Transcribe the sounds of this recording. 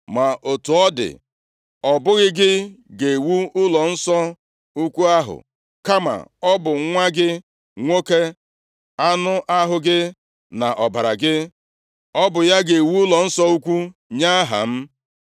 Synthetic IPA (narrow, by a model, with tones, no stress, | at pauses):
ma˨ʔo˨tu˨ɔ˦dɪ̰˨ | ɔ˨bʊ˦ɣɪ˦ɡɪ˦ɡe˨wu˦ʊ˦lɔ˨n̩˦sɔ˦ | u˦kʷu˦a˦ɦʊ̰˨ | ka˦ma̰˨ɔ˦bʊ˨˦ŋʷa˦ɡɪ˦ | ŋʷo˦ke˦ | a˦nʊ˦ʔa˦ɦʊ˨ɡɪ˦ | na˨ʔɔ˨ba˨ɾa̰˨ɡɪ˦ | ɔ˦bʊ˨ja˦ɡe˨wu˦ʊ˦lɔ˨n̩˦sɔ˦u˦kʷu˦ɲa˦ɦa̰˨m̩˦